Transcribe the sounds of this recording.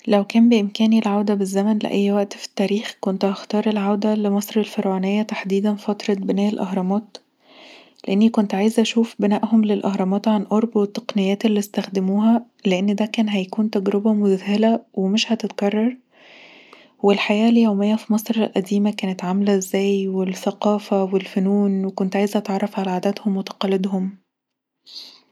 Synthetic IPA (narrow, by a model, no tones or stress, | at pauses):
læwkæːmbeʔemkæːnilʕawd̪æbezːæmænlḛʔæjːwæʔt̪fi̥t̪ːæːɾiːxkont̪hɑxt̪ɑːɾˤelʕawd̪ælemɑsˤɾelfeɾwæːnejːæt̪aħd̪iːd̪ænfɑt̪ɾˤɑbenæːʔelʔɑɦɾˤɑmɑːt̪ | leʔenːikont̪ʕaːjezʔæʃuːfbenæːʔhomlelʔɑhɾˤɑmɑːt̪ʕanʔoɾˤbwet̪ːɑ̥qnejːæːt̪elːist̪æxd̪emuːɦæ | leʔenːd̪ækæːnɦæjækuːnt̪æɡɾebæmʊd̪æhelæwemeʃhæt̪et̪kɑrˤːɑɾˤ | welħajæːljæwmejːæfimɑsˤɾelʔæd̪iːmækæːnet̪ʕamælæʔzːæːjwelθæqɑːfæwelfʊnuːnwekont̪ʕaːjezʔæt̪ʕɑrˤːɑfʕalæʕad̪æt̪homwet̪ɑ̥qɑlːed̪hom